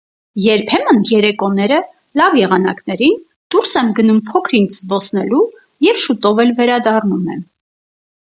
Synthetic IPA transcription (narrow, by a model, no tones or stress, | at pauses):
jɛɾpʰɛmənjɛɾɛkɔn̪ɛɾə | lɑvjɛʁɑnɑknɛɾin | d̪̥uɾsɛmɡənumpʰɔkʰɾind̪zbɔsʰnɛlu | jɛvʃut̪ɔvɛlvɛɾɑd̪ɑrnumɛn